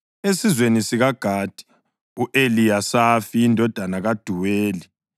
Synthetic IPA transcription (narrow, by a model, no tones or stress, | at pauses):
esizwenisiɣaɡ̥ʱad̥ʱi̥ | uʔelijasafiindʱɔd̥ʱanaɣad̥ʱuweːli